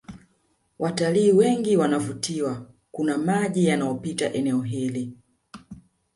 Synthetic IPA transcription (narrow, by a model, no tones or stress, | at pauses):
wʔataliːwɛŋɡiwanavutiwa | kunamaʄijanaɔpita̰ʔɛnɛɔɦili